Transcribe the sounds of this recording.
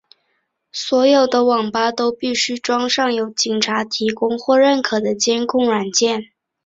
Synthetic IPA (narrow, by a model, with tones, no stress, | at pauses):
swɔ˧˥jo˨˩ʊd̪ə˦wɑ˨˩ŋpa˥t̪o˥ʊpi˥˩ɕy˥ʈ͡ʂwɑ˥ŋʂɑ˥˩ŋjo˨˥ʊt͡ɕi˨˩ŋʈ͡ʂʰa˧˥t̪ʰi˧˥kʊ˥ŋxwɔ˥˧ɻə˥˩nkʰɤ˨˩d̪ə˦t͡ɕjɛ˥nkʰʊ˥˩ŋɻa˨˩nt͡ɕjɛ˥˩n